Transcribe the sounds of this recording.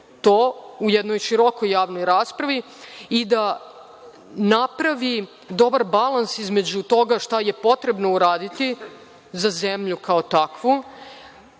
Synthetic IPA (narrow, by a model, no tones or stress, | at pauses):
t̪oːujed̪nojʃiɾo̞kojːaːʋnojɾaːspɾaʋi | id̪a | napɾaʋi | d̪o̞baɾbalˠansizme̞d͡ʑut̪o̞ɡaʃt̪aje̞po̞t̪ɾe̞bno̞uɾaːd̪it̪i | zazemʎukaot̪akʋu